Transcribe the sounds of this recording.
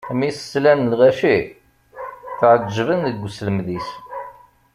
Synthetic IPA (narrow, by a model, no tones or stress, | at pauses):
misslænlʁæʃi | θəʕəd͡ʒːəvənðəɡʷːsləmðis